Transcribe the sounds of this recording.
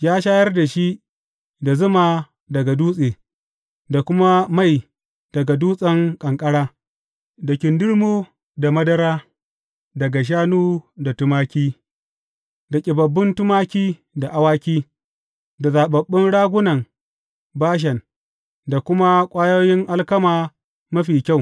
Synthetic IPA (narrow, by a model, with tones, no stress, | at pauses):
jaː˦ʃaː˦jɐ˦rda˨ʃi˦ʔ | da˨zʊ˦maː˨ | dɐ˨ɡa˨duː˦sʼeː˨ | da˨kʷʊ˦ma˦ma˦˨j | d̥ɐ˨ɡa˨duː˦sʼɐ˦ŋkʼɐ˨ŋkʼɐ˦ɽaː˦ | da˨kʲɪ˨ndʊ˦ɽmoː˦ | da˨mɐ˦dɐ˦ɾaː˦ | dɐ˨ɡa˨ʃ̬aː˦nuː˦da˨tʊ˦maː˦kʲiː˦ | da˨kʲʼɪ˨bɐ˨bːɪ˦ntʊ˦maː˦kʲiː˦ | da˨ʔa˨waː˦kʲiː˦ | da˨zaː˨ɓɐ˨ɓːɪ˦nɽaː˦ɡʷʊ˦nɐ˨ŋ | baː˦ʃ̬ɐ˨n | da˨kʷʊ˦ma˦kʷʼaː˦joː˦jɪ˦ŋʔa˦lkɐ˦maː˨ | mɐ˦ɸiː˨kʲa˦˨w